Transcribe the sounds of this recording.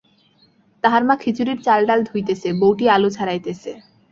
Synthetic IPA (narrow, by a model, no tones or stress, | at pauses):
t̪aɦaɾmakʰit͡ɕuɾiɾt͡ɕalɖald̪ʱujt̪et͡ɕʰebowʈialot͡ɕʰaɾajt̪et͡ɕʰe